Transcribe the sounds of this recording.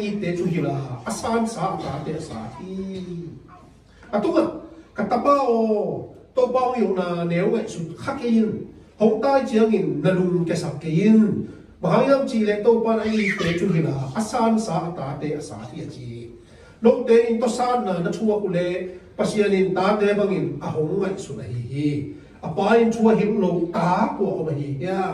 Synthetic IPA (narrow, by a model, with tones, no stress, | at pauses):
ʔi˧t̪ːɛː˨˦t͡su˧ɦi˧la˨˩ʔə˨saː˧nsaː˨˦ʔa˨t̪aː˨˦t̪ɛ˧˦ʔa˨sa̰ː˨˦t̪ʰi˧˦ | ʔa˨t̪u˧˦˥ŋa˨ʔka˨t̪a˧paː˧˨ʔɔ˧t̪ɔ˦˧wpaː˧jwna˧˨nɛ˨˦wɛ˧˨ʔsu˨˩t̚kʰa˦˥ke˧ji˧˨nho˨˦ŋt̪aː˧˥˨jt͡ɕi˧˦əŋi˨nːɐ˧lu˧˨ŋkɛ˧˨sa˨˩kke˧˦ji˧n | ba˨ɦa˨˦ŋi˦a˧mt͡ɕi˧˨lɛ˧ʔt̪o˧˨wpa˦˧˨nɐ˧ʔi˧˩t̪ɛ˨˦t͡su˧˦ɦi˨˧na˨ʔa˦saː˧nsaː˨˦ʔɐ˧t̪aː˨˦t̪ɛː˨˦ʔɐ˨sa̰ː˨˦ti˧ʔə˨t͡ɕi˨ | lo˧˦wt̪ɛ˨˦ʔi˧nt̪ɔ˦˧˨saː˧˥nːaː˨˩nɐ˧tʰu˧ə˧ku˨ʔlɛ˧pɐ˧si˧ə˨ni˨nt̪aː˨˦t̪ɛ˨˦ba˧ŋi˨nʔɐ˨ɦɔ˨˦ŋːa˨jsu˨˦n̚ʔə˨ɦi˨ɦi˧ | ʔɐ˨paː˨˦i˧ntʰu˧˦a˧ɦi˧˦mlo˧˦wt̪aː˨˦ku˧˨ɐ˨ʔɔ˨ə˨ɦi˨ɦi˧˦a˧˨